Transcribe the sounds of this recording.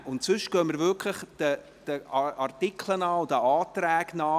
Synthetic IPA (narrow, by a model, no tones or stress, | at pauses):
ʊntsʏʃɡ̥œːməɾvʏkʰləχd̥ə | d̥əʔɑrtɪkʰlənɑːʊdəaːt̪ræːɡnɑː